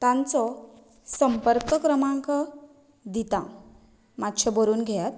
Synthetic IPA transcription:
t̪ãnt͡sɔ | səmpəɾkəkɾəmaŋkɔ | d̪it̪ã̰ | mat̪t͡ɕʰəbəɾuːnɡʱejat̪̚

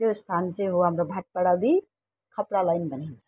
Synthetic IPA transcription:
est̪ʰansẽɦoɦəmɾobʱaʈ̚pəɽabʱi | kʰəpɽalajnbənant͡ʃʰḁ

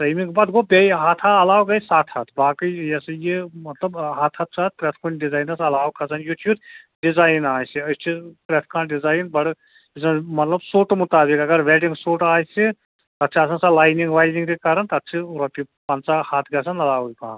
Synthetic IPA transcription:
t̪ɐmikbaːd̪ɡobeɦaːt̪ʰaɐlaːwɡɐjsaːt̪ʰhɐt̪ʰbaːkijɐsɨjemɐt̪lɐbɦaːt̪ʰɐt̪̚ʰsʰat̪̚pɾɛt̪ʰkʰonɖizaːjnɐsɐlaːwkʰɐsɐnjut̪juːd̪ | ɖizaːjnaːjsiɐjst͡ʃʰipɾɛt̪ʰkʰãːɖizaːjnbɐɽ | isɐmɐt̪lɐbsoːʈmut̪aːbikɐɡɐɾʋɛːʈĩŋɡsoːʈaːjsi | t̪ɐt̪ːt͡ʃʰiɐsɐnsalaːjniŋɡʋaːjziŋkekaːɾɐnt̪ɐɐt̪ːt͡ʃʰiɾɐpi | pɐnt͡sahat̪ʰɡɐsɐnɐlaːwɡikaː

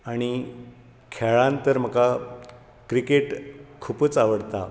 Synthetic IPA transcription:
aɽ̃i | kʰɛɭãnt̪əɾm̤əka | kɾikeʈkʰuːpət͡saʋəɽt̪a

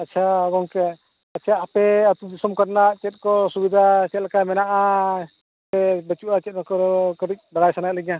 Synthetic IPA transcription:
atːt͡ʃʰaɔɡɔŋkɛ | at͡ʃʰaːpɛət̪ud͡ʒisɔmkaɾnat͡ʃɛt̪̚ˀkɔsubid̪ʱat͡ʃɛt̪̚lakamɛnaʔa | ɛbɛt͡ʃuʔat͡ʃɛt̪̚nakɔɾɔkəɾic̚baɽajsanalɛɡja

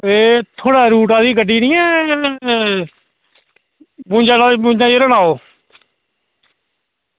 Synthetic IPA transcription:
eːt̪ʰoːɽaːɾuːʈaːd̪iːkəɖiːniːɛː | bũːd͡ʒaːlaːbũːd͡ʒãːd͡ʒiːɾəɽaːoː

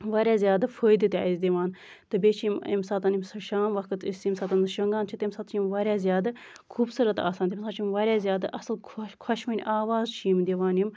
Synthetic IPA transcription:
ʋaːɾʲaːzʲjaːd̪ɨfoːjd̪ɨt̪ʲizʲd̪iʋaːn | t̪ɨbʲeːt͡ʃʰimḭmsaːt̪ɐnimsɨʃaːmʋɐkɨt̪isimsaːt̪ɐnɨʃɐŋɡaːnt͡ʃʰit̪imsɐt̪t͡ʃʰimʋaːɾʲjaːzʲjaːd̪ɨ | kʰuːbsɨɾɐt̪a̰ːsaːnt̪imsat͡ʃʰimʋaːɾʲjaːzʲjaːd̪ɨʔɐslkʰkʰɐʃmɐnʲʔaːʋaːzt͡ʃʰiːmd̪ʲiʋaːnim

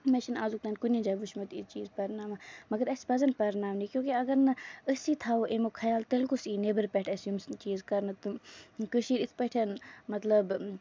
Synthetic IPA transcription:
meʃinaːzuk̚t̪aːnkunʲid͡ʒaːʋuʃmɐt̪ḭt͡ʃiːzpɐɾnaːmamɐɡɐɾɐsi̥bɐzɐnpɐɾnaːmnikjõːkeɐɡɐɾnɐəsit̪ʰaːoʔemokʰɐjaːlt̪ɐlkusiːneːbɐɾpʲɛʈʰɐsjumst͡ʃiːzkɐɾnɐt̪ɨkəʃiːɾit̪ʰpɐʈʰʲɐnmɐt̪lɐb

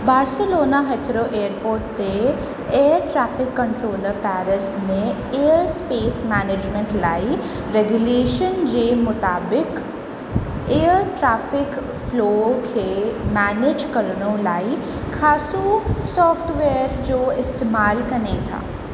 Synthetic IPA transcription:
baːɾseloːnaɦeːt̪ʰɾoʔeːəɾpoːɾʈ̚t̪eː | əɾʈɾaːfɪkːɐ̃ɳʈɾoːləɾpɛːɾəsmẽ | eːəɾspeːsmɛːneːd͡ʑmẽɳʈlaːi | ɾeɡjuleːʃənd͡ʑeːmʊt̪aːbɪk | eːəɾʈɾaːfɪk | floːkʰeːmɛːneːd͡ʑkɐɾɽ̃õlaːi | kʰaːsusɔːfʈʋeːəɾd͡ʑoːɪst̪eːmaːlkɐnet̪ʰa̰ː

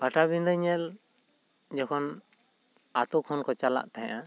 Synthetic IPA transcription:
paʈabind̪əɲɛl | d͡ʒɔkʰɔn | at̪ukʰɔnkɔt͡ʃala̰ʔt̪aɦʔa

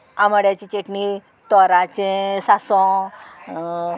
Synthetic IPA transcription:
aməɽjat͡ɕit͡ɕeʈni | t̪ɔɾat͡ɕẽsasɔ̃

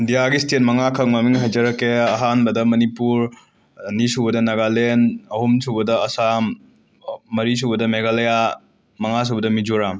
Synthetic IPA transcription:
indijaɡistet̚mɐŋakʰɐŋmɐmiŋɦajd͡ʒɐɾɐkːeɐɦanbɐdɐmɐnipuɾ | nisubɐdɐnɐɡalenɐhumsʰubɐdɐɐsamː | ɐɾis̬ubɐdɐmeɡalɐja | mɐŋas̬ubɐdɐmid͡ʒuɾam

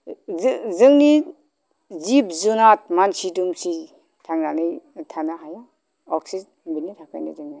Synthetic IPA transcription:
zzɯŋni | zip̚zunat̚mansidumsi | tʰaŋnanɯjtʰanaɦajɔ | ɔksiz | binitʰakʰa̰jnɯ̰zɯŋna

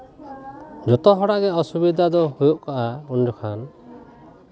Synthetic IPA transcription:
d͡ʒɔt̪ɔɦɔɽaʔɡɛɔsubid̪ʱad̪ɔhojuʔkaʔaɔnd͡ʒɔkʰan

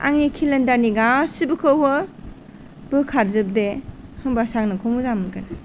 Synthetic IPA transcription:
a̰ŋikʰilɐndaniɡasibɯkʰɯwhɯ | b̥ɯkʰaɾzɯb̚dehɯŋbasaŋnɯkʰɔŋmuzamɯnkana

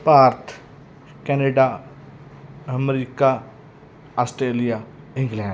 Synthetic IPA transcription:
paːɾt̪ʰ | kɛːneːɖaː | əmɾiːkaː | aːsʈɾeːlijaː | ɪ̃ŋɡlɛ̃ː

